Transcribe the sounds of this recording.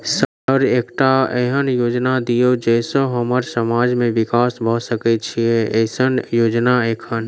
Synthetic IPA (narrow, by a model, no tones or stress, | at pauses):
sə | əɾeːkʈaeɦənjoːd͡ʒnad̪ijod͡ʒɛsoɦəməɾsəmaːd͡ʒmẽʋɪkaːsbʱəɦsəkɛt͡ʃʰieeɪsənjoːd͡ʒnaeːkʰən